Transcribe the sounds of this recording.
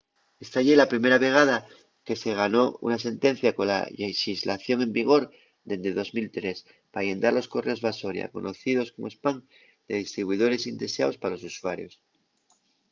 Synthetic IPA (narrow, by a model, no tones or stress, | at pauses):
est̪aʎelapɾime̞ɾaβe̞ɣ̞að̞a | ke̞se̞ɣ̞ano̞ṵnas̬e̞nt̪e̞n̟θjako̞nla̰leʃizlaθjo̞ŋẽ̞mbiɣ̞o̞ɾ | ðe̞nd̪eðo̞zmilt̪ɾe̞s | paːje̞nd̪aɾlo̞sko̞re̞o̞zβaso̞ɾja̰ko̞̰nʔo̞θið̞o̞sko̞moespaŋ | d̪̥e̞ðist̪ɾiβwuiðo̞ɾe̞sind̪e̞sea̰o̞spaalo̞susuaɾjo̞̰s